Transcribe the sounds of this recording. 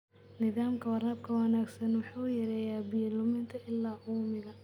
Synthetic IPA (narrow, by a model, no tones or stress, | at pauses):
nɪðaːmkʰɐwɐɾɐb̚kʰɐwɐnaːɡsɐnwʊħuːjɛɾɛːjaːbijɐlʊmɪnt̪ʰɐʔɪlːaːʔuːmɪɣɐ